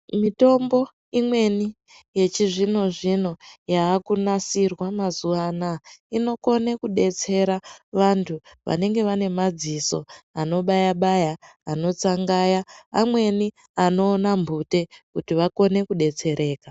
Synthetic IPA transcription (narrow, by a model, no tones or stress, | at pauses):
mito̞mbo̞ | imwe̞ni | je̞t͡ʃiʐino̞ʐino̞jaːkunasirwamazuanaino̞ko̞nekuɗe̞t͡se̞ɾaʋantʰuʋa̰ne̞ŋɡe̞ʋane̞mad͡ziso̞ano̞ɓajaɓajaːno̞t͡saŋɡajaːmwe̞ni | ano̞ːnambʱute̞kutiʋako̞ne̞kuɗe̞t͡se̞ɾe̞ːka